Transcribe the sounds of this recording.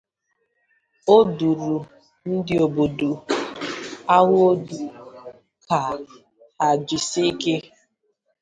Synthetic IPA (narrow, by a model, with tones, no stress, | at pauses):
o˦du˨ɾu˨ | n̩˦dɪ˨o˨bo˨du˨ | a˦ɣʊ˦o˦du˨ | ka˨ | a˨d͡ʒɪ˨si˦ke˦